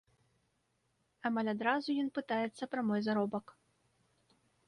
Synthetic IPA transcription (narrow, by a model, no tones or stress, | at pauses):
amalʲad̪ɾazujɔnpɨt̪ajɛt̪sːɐpɾɐmɔjzaɾɔbɐk